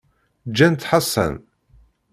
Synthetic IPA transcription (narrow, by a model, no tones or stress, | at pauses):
d͡ʒːænt̪ħasˤːə̰n